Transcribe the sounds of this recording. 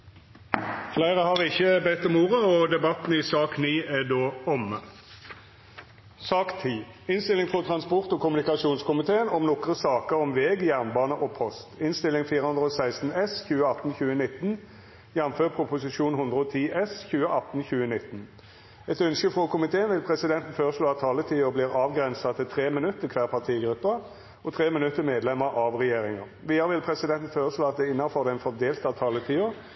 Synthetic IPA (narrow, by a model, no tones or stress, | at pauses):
flæɪʁəhɑʁɪçːəbɛt̪ːɔmuːʁəɔd̪ɛbɑt̪n̩isɑːkniːæd̪oːɔmə | sɑːkt̪ʰiː | ɪnst̪ɪlɪŋfʁɔt̪ʰʁɑnspɔʁt̪oːkʰʊmʉnɪkɑʂuːnskʊmɪt̪ʰeːənɔmnɔkʁəsɑːkəʁɔmʋeːɡjæʁnbɑːnəʔopʰɔst̪ɪnst̪ɪlːɪŋfiːʁəhʉnd̪ʁəoːsæɪst̪n̩ɛsçʉːəɑt̪nçʉːənɪt̪ːn | jɑnføːʁpʰɾʊpʊsɪʂuːnhʉnd̪ʁəɔːt̪ʰiːʔɛsçʉːəʔɑt̪n̩çʉːənɪt̪ːn̩ | ɛt̪œnskəfʁokʊmɪt̪ʰeːənʋɪlpʰʁɛsɪd̪ɛnt̪n̩føːʁəsloːɑt̪ʰːɑːlət̪ʰiːəbliːʁɑːʋɡʁɛnsɑt̪ʰɪlt̪ʰʁeːmɪnʉt̪ːəkʰʋæːʁpʰɑʁt̪ʰiːəɡɾʉpːəʁ | ɔt̪ʰʁeːmɪnʉt̪ːəmeːd̪lɛməɾʔɑʋʁɛjeːʁɪŋɑʁʋiːəʁəʋɪlpʰʁɛsɪd̪ɛnt̪n̩føːʁəsloːɑt̪̚d̪ɛɪnːɑfɔʁd̪ɛnfɔd̪eːlt̪ɑt̪ʰɑːlət̪ʰiːə